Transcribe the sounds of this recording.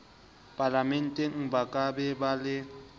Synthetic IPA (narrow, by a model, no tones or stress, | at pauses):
pʼalamɛn̩tʼɛŋ̩bakʼaɓɛɓalɪ